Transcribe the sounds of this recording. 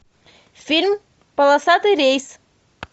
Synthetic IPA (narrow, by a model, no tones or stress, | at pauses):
filmi | palasat̪iɾejs